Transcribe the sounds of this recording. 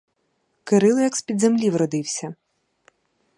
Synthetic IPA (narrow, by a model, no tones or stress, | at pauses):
kɪɾɪlˠɪjɐkspʲid̪zemlʲiʋrɔd̪ɪwsʲɐ